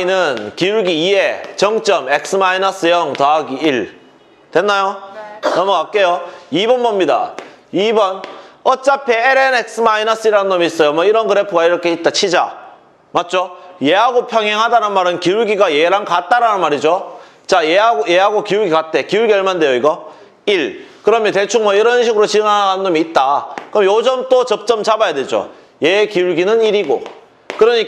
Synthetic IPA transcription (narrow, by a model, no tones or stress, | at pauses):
inɯnkiuɡiːe̞t͡ɕʌŋt͡ɕ͈ʌme̞k̚s͈ɯmainʌs͈ɯjʌŋtaɡiiɭ | twe̞nːajonʌmʌkak̚k͈e̞joibʌnbʌmɲida̰ | ibʌnʌt͡ɕ͈apʰe̞ːɾenek̚s͈ʰɯmainʌs͈ɯiɾanɯnːʌmiis͈ʌjomʌiɾʌnkɯɾepʰɯɡaiɾʌkʰe̞it̚t͈at͡ɕʰid͡ʑa̰ | mat̚t͡ɕ͈oje̞ɦaɡopʰjʌŋɦeŋɦadanɯnmaɾɯnkiuɭɡiɡajeɾankat̚t͈aɾanɯnmaɾid͡ʑo | t͡ɕajeaojeɦaɡokiuɭɡiɡat̚t͈e̞kiuɭɡiʌɭmandejoiɡʌ | iɭkɯɾʌmjʌnte̞t͡ɕʰuŋmʌiɾʌnɕʰiɡɯɾot͡ɕiɯŋananɯnːomiːt̚t͈akɯmjod͡ʑʌmt͈ot͡ɕʌp̚t͡ɕ͈ʌmt͡ɕabajadwed͡ʑo̰ | jekiuɭɡinɯniɾiɡo̰ | kɯɾʌɲik